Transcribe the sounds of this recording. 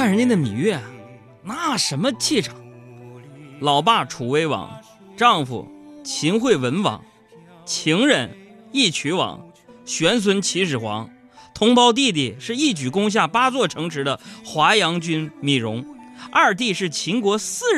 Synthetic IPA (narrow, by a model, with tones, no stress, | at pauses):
fa˥˩nɻə˧˥ni˧˥nd̪ə˧˩mi˨˩˦ɥɛ˥˩ | na˥˩ʂə˧˥nmə˧t͡ɕi˥˩ʈ͡ʂʰɑ̥˨˩˦ŋ | lɑ˨˩ʊpa˥˩ʈ͡ʂʰu˨˩we˧˥ɪwɑ̰˨˩˦ŋ | ʈ͡ʂɑ˥˩ŋfṵ˨˩t͡ɕʰi˧˥ŋxwe˥˩ɪwə˧˥nwɑ̰˨˩˦ŋ | t͡ɕʰi˧˥ŋɻə˧˩ni˥˩t͡ɕʰy˧˥wɑ̰˨˩˦ŋɕɥɛ˧˥ns̬ʰwə˧˥nt͡ɕʰi˧˥ʂɻ̩˨˩xwɑ̰˧˥ŋ | t̪ʰʊ˧˥ŋpɑ˥ʊt̪̬i˥˧t̪̬i˥˩ʂɻ̩˥˧i˥˩t͡ɕy˨˩kʊ˥ŋɕ̬ja˥˩pa˥t͡swɔ˥˩ʈ͡ʂʰɤ˧˥ŋʂɻ̩˧˥d̪ə˧xwa˧˥jɑ˧˥ŋt͡ɕy˥nmi˨˩ɻʊ˧˥ŋa˞˥˧˩ɻt̪̬i˥˧ʂɻ̩˥˩t͡ɕʰi˧˥ŋkwɔ˧˥sɹ̩˥˧